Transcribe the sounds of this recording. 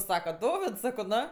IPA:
ˈsɑːkɐ ˈdoːʋʲɪts ˈsɑːkoː ˈnoː

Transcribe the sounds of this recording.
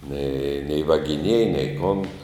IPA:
nʲɛɪ nʲɛɪ ʋɐɡʲɪˈnʲiɛjɛ nʲɛɪ kʊn

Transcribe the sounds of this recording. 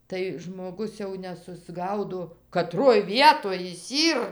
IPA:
tɐɪ ʒmoːˈɡʊs jɛʊ nʲɛsʊzˈɡɐʊdoː kɐˈtroːj ˈʋʲiɛtoːj jɪs ˈiːr

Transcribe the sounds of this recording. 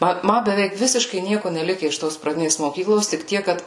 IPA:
ˈmɐ ˈmɐ bʲɛˈʋʲɛɪk ˈʋʲɪsʲɪʃkɐɪ ˈnʲiɛkʊ nʲɛˈlʲɪkʲɛ ɪʃ ˈtoːs prɐˈdʲɪnʲeːs moːˈkʲiːklˠoːs tʲɪk ˈtʲiɛk kɐt

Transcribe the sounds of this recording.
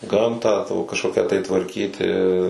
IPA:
ˈɡɐmtɑː kɐʃˈkoːkʲæː tɐɪ tʋɐrʲˈkʲiːtʲɪ

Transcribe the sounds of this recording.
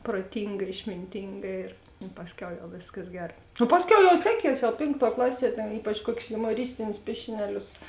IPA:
proːˈtʲɪŋɡɐ ɪʃʲmʲɪnʲˈtʲɪŋɡɐ ɪr ɪ ˈpɑːsʲˌkʲɛʊ jɛʊ ˈʋʲeːskɐs ˈɡʲɛr nʊ ˈpɑːsʲˌkʲɛʊ jɛʊ ˈsʲæːˌkʲiɛs jɛʊ ˈpʲeːŋkˌtuɔ ˈklˠɑːˌsʲiɛ tʲɛn ˈiːpɐt͡ʃ ˈkuɔkʲʊs jʊmoːˈrʲɪsʲtʲɪnʲʊs ˈpʲiɛʃʲɪnʲɛˌlʲʊs

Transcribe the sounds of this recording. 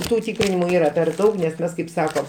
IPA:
ˈtuː ˈtʲiːkrʲɪnʲɪmʊ ˈiːrɐ pʲɛr ˈdɐʊk nʲɛs ˈmʲɛs kɐɪp ˈsɑːkoː

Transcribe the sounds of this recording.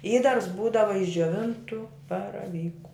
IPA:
ˈiːdɐrs ˈbuːdɐʋɐ ɪʃ d͡ʒʲoːˈʋʲɪntʊ bɐrɐˈʋʲiːkʊ

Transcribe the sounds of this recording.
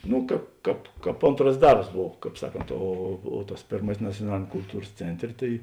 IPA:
ˈnʊ ˈkɑːp ˈkɑːp ˈkɑːp ˈoːntrɐs ˈdɐrps ˈboːw ˈkɑːp ˈsɑːˌkoːnt oː oː tɐs ˈpʲeːrmɐsʲɪs nɐt͡sʲuɔˈnɑːlʲeːnʲɛm kʊlˠˈtuːrs ˈt͡sʲɛnʲˌtʲrʲeː tɐɪ

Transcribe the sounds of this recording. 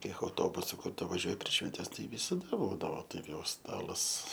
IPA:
ˈkʲiɛk ɐʊˈtoːbʊsʊ ˈkʊr tʊ ʋɐˈʒʲuɔj pʲrʲiɛʃ ʃʲʋʲɛnʲˈtʲɛs tɐɪ ʋʲɪsɐˈdɐ ˈbuːdɐʋoː ˈtɐɪp jɛʊ ˈstɑːlˠɐs

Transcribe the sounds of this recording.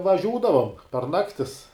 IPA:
ʋɐˈʒʲuːdɐʋoːm pɐr ˈnɑːktʲɪs

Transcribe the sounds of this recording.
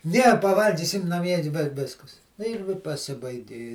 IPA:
ˈnʲɛ pɐˈʋɐlʲɡʲiːsʲɪm nɐˈmʲiɛ ɪ ʋʲɪ ˈʋʲɪskɐs nʊ ɪr ʋʲɪ pɐˈsʲɪbɐɪɡʲɪ

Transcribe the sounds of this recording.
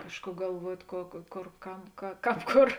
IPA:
ˈkɑːʃˌkuː ɡɐlˠˈʋuɔtʲ koː koː ˈkoːr ˈkɐm kɐ ˈkɑːp ˈkoːr

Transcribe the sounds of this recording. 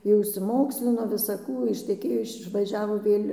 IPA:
jɛʊ ɪʃʲsʲɪˈmoːksʲlʲɪnoː ʋʲɪsɐˈkuː ɪʃʲtʲɛˈkʲeːjoː ɪʃ ɪʃʋɐˈʒʲæːʋoː ˈʋʲeːlʲ

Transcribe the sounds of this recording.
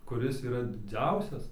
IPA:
kʊˈrʲɪs iːˈrɐ dʲɪˈd͡zʲɛʊsʲɛs

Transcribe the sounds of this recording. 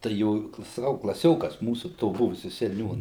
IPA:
tɐɪ ˈjoː sɐˈkɐʊ klˠɐˈsʲoːkɐs ˈmuːsʊ toː ˈbʊʋʊsʲʊ sʲɛˈnʲuːnɐ

